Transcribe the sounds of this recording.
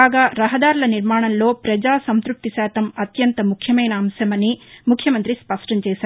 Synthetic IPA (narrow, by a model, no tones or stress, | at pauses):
aːɡaːɾɐɦɐd̪aːɾulɐniɾmaːɳɐmlo̞ːpɾɐd͡ʒaːsɐnt̪ɾup̚t̪isaːt̪ɐmɐt̪jɐnt̪ɐmukʰjɐmɐjnɐːmsɐmɐnːimukʰjɐmɐnt̪ɾispɐʂʈɐɲt͡ʃɛːʃaːɾ